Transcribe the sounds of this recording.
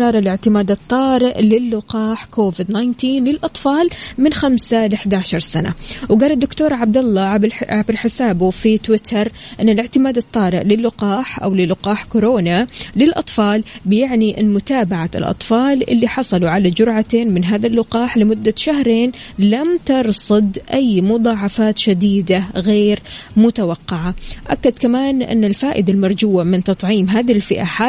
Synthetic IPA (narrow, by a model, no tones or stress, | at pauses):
ɑːɾˤɑlɪʕt̪ɪmaːd̪ɨt̪ˤːɑːɾɪʔlɪlːʊqɑːħkʰoːvɪd̪najnt̪iːnlɪlʔɑt̪ˤfɑːlmɪnxamsalɪħd̪aʕʃɑɾˤsana̰wɡaːlɪd̪ːʊkt̪oːɾˤʕab̚d̪alˤːɑʕabɪɾħɪsaːbufit̪wɪt̪ʰɑɾˤʔɪnːalɪʕt̪ɪmaːd̪ɨt̪ˤːɑːɾɪʔlɪlːʊqɑːħʔa̰wlɪlːʊqɑːħkʊɾoːnalɪlʔɑ̰t̪ˤfɑːlbɪjɪʕniʔɪnmʊt̪aːbaʕa̰lʔɑ̰t̪ˤfɑːlʔɪ̰lːiħɑsˤɑluʕalad͡ʒʊɾʕat̪eːnmɪnɦaːðalːʊqɑːħlɪmʊd̪ːaʃahɾeːnlamt̪ɑɾˤsˤɨd̪ʔajːmʊd̪ˤɑːʕɑfaːt̪ʃad̪iːd̪aɣeːɾmʊt̪awɑqːɑʕaʔakːad̪kamaːnʔɪ̰nːɪlfaːʔɪd̪almɑɾˤd͡ʒuːamɪnt̪ɑt̪ˤʕiːmɦaːðɪlfɪʔaħa